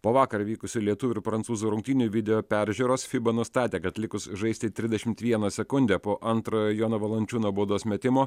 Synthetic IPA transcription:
poːʋɑːkɐɾʋʲiːkʊsʲʊlʲiɛt̪ʊʋʲʊɪɾpɾɐnsuːzuːɾʊŋk̚t̪ʲiːnʲʊʋʲɪd̪ʲɛjoːpʲɛɾʲʒʲuːɾoːsfʲɪbɐnʊst̪ɑːt̪ʲeːkɐt̪lʲɪkʊsʒɐɪst̪ʲɪt̪ʲɾʲɪzʲd̪ʲɛʃʲɪmt̪ʋʲiɛnɐsʲɛkʊnʲd̪ʲɛpoːʔɐnt̪ɾoːjjoːnɐʋɐlˠɐnʲt͡ʃʲuːnoːboːd̪oːsmʲɛt̪ʲɪmoː

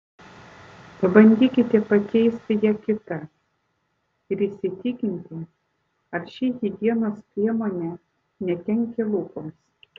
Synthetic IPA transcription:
pɐbɐnʲd̪ʲiːkʲɪt̪ʲɛpɐkʲɛɪsʲt̪ʲɪjiɛkʲɪt̪ɐ | ɪɾɪːsʲɪt̪ʲɪkʲɪnʲt̪ʲɪ | ɐɾʃʲijid̪ʲiɛnoːspʲɾʲiɛmoːnʲɛ | nʲɛt̪ʲɛŋʲkʲelˠuːkoːs

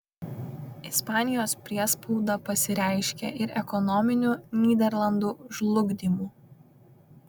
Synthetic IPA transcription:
ɪspɑːnʲɪjoːspʲɾʲiɛspɔʊd̪ɑpɐsʲɪɾʲæˑɪʃʲkʲɛ̰ʔɪɾɛkɔnɔmʲɪnʲuːnʲiːd̪ʲɛɾlˠɐnd̪uːʒlˠʊɡd̪ʲiːmuː

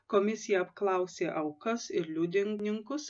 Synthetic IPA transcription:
koːmʲɪsʲɪjɛɐpklˠɐʊsʲeːʔɐʊkɐsɪɾlʲuːd̪ʲɪŋnʲɪŋkʊs

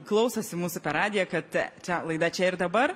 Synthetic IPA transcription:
klˠɐʊsɐsʲɪmuːsʊpʲɛɾɑːd̪ʲɪjɛkɐt̪t͡ʃʲɛlˠɐɪd̪ɐt͡ʃʲɛɪrd̪ɐbɐr

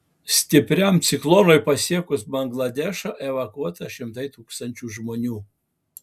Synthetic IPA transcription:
sʲt̪ʲɪpʲɾʲɛmt̪sʲɪklˠoːnojpɐsʲiɛkʊsbɐŋɡlˠɐd̪ʲɛʃɐʔɛʋɐkuɔt̪ɐʃʲɪmt̪ɐɪt̪uːkst̪ɐnʲt͡ʃʲuːʒmoːnʲuː

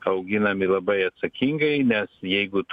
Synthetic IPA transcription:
ɐʊɡʲɪnɐmʲɪlˠɐbɐɪɐt̪sɐkʲiŋɡɐɪnʲɛsjɛɪɡʊt̪

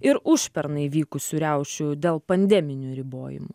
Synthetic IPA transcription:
ɪɾʊʃʲpʲɛɾnɐɪʋʲiːkʊsʲuɾʲɛʊʃʲʊd̪ʲeːlˠpɐnʲd̪ʲɛmʲɪnʲuːɾʲɪbo̰ːjɪ̰mʊ

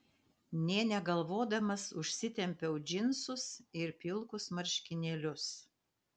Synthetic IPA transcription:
nʲeːnʲɛɡɐlˠʋoːd̪ɐmɐsʊʃʲsʲɪt̪ʲɛmʲpʲɛʊd͡ʒʲɪnsʊsɪɾpʲɪlˠkʊsmɐɾʲʃʲkʲɪnʲeːlʲʊs

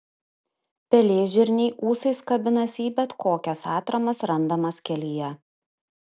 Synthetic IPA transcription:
pʲɛlʲeːʒʲɪɾʲnʲɛɪʔuːsɐɪskɐbʲɪnɐsʲiːbʲɛt̪kʰoːkʲɛsɑːt̪ɾɐmɐsɾɐnd̪ɐmɐskʲɛlʲiːjɛ

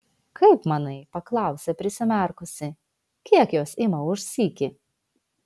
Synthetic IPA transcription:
kʰɐɪpmɑnɐɪpɐklˠɑˑʊsʲepʲɾʲɪsʲɪmʲɛˑɾkʊsʲɪ | kʲiɛkjoːsʲɪmɐʊʃsʲiːkʲɪ

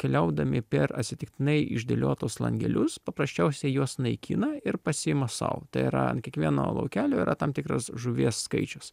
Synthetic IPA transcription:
kʲɛlʲɛʊd̪ɐmʲɪpʲɛɾɐ̰t̪ʲsʲɪt̪ʲɪk̚t̪ʲɪnɐɪɪ̰ʒʲd̪ʲḛlʲoːt̪oːslˠɐ̰ŋʲɡʲɛ̰lʲʊspɐpɾɐsʲt͡ʃʲɛʊsʲɛɪjuɔsnɐɪkʲʰḭːnɐɪɾpɐsʲɪɪmɐsɐ̰ʊt̪ɐɪiɾɐ̰nkʲiɛkʋʲiɛno̰ːlˠɐ̰ʊkʲæːlʲoːɪɾʔɐ̰t̪ɑmt̪ʲɪkɾɐ̰sʒʊʋʲiɛsːkɐɪt͡ʃʲʊs

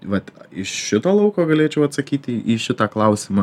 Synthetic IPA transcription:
ʋɐt̪ɪʃʃʲɪt̪oːlˠɐʊkoːɡɐlʲeːt͡ʃʲɛʊɐt̪sɐkʲiːt̪ʲːʔiːʃʲɪt̪ɑːklˠɐʊsʲɪmɑ

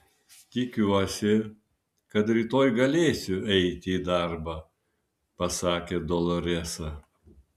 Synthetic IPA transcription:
t̪ʲɪkʲuɔsʲɪ | kɐt̪ɾʲiːt̪oːjɡɐlʲeːsʲʊɛɪt̪ʲɪːd̪ɑɾbɑː | pɐsɑːkʲeːd̪ɔlˠɔɾʲɛsɐ

